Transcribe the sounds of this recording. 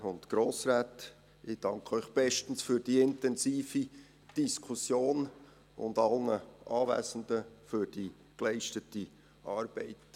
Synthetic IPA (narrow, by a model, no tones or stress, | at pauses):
ʊntɡ̥ɾoːsɾæːt | ɪd̥ɑŋkʰœʏχb̥ɛʃtən̩sfyːɾd̥iːɪntɛnsiːfi | d̥iskʰʊsjoːn | ʊ̰ndɑlnəʔɑːvæ̰ːsən̩dəfyɾd̥i | klɛɪʃtəti | ʔɑːɾb̥ɛɪt